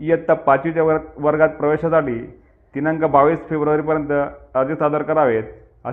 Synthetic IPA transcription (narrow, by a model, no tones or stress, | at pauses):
iət̪ːapat͡ɕut͡ɕjaʋəɾɡat̪̚pɾəʋeɕasaʈiː | t̪inaŋkabaʋisfebɾəʋaɾiːp̬əɾjənt̪əəɾd͡ʑəsad̪aɾkaɾaʋet̪ | ə̰